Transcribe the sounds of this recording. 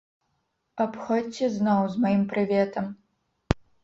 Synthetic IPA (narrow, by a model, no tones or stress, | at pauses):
apxɔt͡sʲɛznɔwzmajimpɾɨvʲɛt̪ɐm